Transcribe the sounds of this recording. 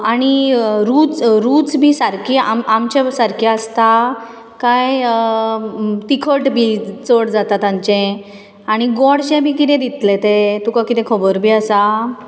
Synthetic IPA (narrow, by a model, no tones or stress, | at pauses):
aɽ̃iɾut͡sɾut͡sbʱiːsaɾkiamamt͡ɕasaɾkiəst̪a | kaj | t̪ikʰəʈbʱit͡səɽd͡zat̪at̪ãɲt͡ɕɛ̃ | aɽ̃iɡɔɽɕɛ̃bʱiːkit̪ɛ̃d̪it̪let̪et̪ukakit̪ɛ̃kʰəbəɾbʱiasa